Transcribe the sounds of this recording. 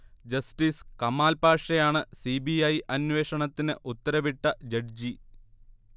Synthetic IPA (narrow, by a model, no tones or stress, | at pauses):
d͡ʑɐsʈiːskɐmaːlpaːʂɐjaːɳɨsiːbiɐjʔɐnʋeːʂɐɳɐt̪ːinɨʔut̪ːɐɾɐʋiʈːɐd͡ʑɐɖ̚d͡ʑi